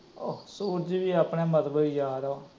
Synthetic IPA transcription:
oːsuːɾd͡ʒʋiːaːpneːmət̪bəijaːɾoː

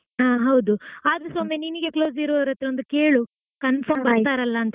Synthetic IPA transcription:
aːɦɐwd̪uaːd̪ɾesoːmeniniɡe̞kloːziɾʋɐɾɐt̪ːɾeond̪ukeːɭu | kɐnfʰɐmbɐɾt̪aːɾɐlːɐːnt̪ɐ

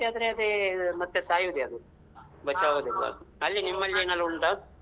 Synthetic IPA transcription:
ead̪ɐɾeɐd̪emɐt̪ːesaːjud̪eɐd̪u | bɐt͡ʃaːʋoːd̪ilːɐ̰ɐlːinimːɐlːieːnɐlːuɳʈa

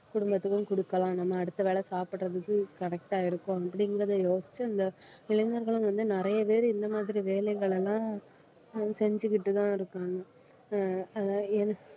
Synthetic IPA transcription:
kʊɽʊmbɐt̪ːɯkːɯ̃mkʊɽɯkːɐlãːnɐmːɐːɽɯt̪ːɐʋeːɭɐsaːpɪʈrɐðɯkːɯkɐɾɛk̚ʈaːɪɾɯkːõɐp̬ːɐɽɪŋɡɾɐðɐjoːsɪ̥t͡ʃːɯɐnd̪ɐɪɭɐŋɡɐɾɣɐɭɯ̃ʋɐnd̪ɯnɪɾɐjɐpeːɾɯɪnd̪ɐmaːðɪɾiʋeːlɐɪɣɐɭɛlːãː | sɛɲd͡ʒɯkːɪʈːɯt̪ãːɪɾɯkːaːŋɡɐ | ɐðɛnɐ

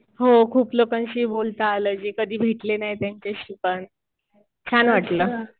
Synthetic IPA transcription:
ɦokʰuːplokãnɕiːbolt̪əaləːd͡ʑikəd̪ʱiːbʱeʈlenajt̪jaɲt͡ɕeɕipən | t͡ɕʰanʋaʈləː

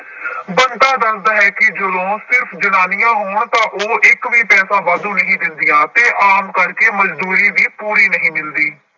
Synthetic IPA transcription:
bənd̪aːd̪əsd̪aːɦɛːkɪd͡ʒəd̪õːsɪɾpʰd͡ʒənaːnɪjãːɦoːɳt̪ãːʔoːʔɪkʋiːpɛːsãːʋaːd̪ũːnəɦĩːd̪ɪnd̪ɪjãːt̪eːʔaːmkəɾkeːməd͡ʒd̪uːɾiːʋiːpuːɾiːnəɦĩːmɪld̪iː

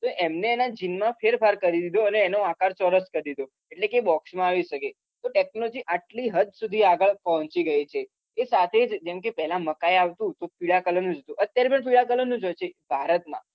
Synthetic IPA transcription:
t̪oʔɛmneːnad͡ʒinmãfeɾfaɾkəɾid̪id̪oəneːnoakaɾt͡ʃəɾəskəɾd̪id̪o | eʈlekebɔksmãaʋiʃəke | t̪oʈek̚nolɔd͡ʒiʔaʈliɦəd̪̚ʱsud̪ʱiaɡəɭpɔɦɔ̃t͡ʃiɡəit͡ʃʰeː | sat̪ʰed͡ʒd͡ʒɛmkepɛɦlãməkajaʋt̪ũt̪opiɭakələnũd͡ʒət̪ũʔət̪jaɾepəɳpiɭakələnːũd͡ʒojt͡ʃʰebʱaɾət̪mã̰

